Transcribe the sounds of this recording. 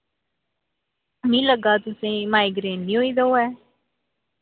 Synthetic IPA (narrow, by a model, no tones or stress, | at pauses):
mĩːləɡaːt̪ʊsẽːmaːiɡɾeːnːĩːɦoːiːd̪aoːɛː